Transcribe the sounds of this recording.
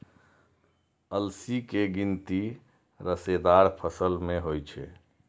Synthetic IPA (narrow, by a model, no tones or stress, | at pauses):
əlsikeɡint̪i | ɾəsed̪aɾpʰəsəlmeɦojt͡ʃʰɛ̰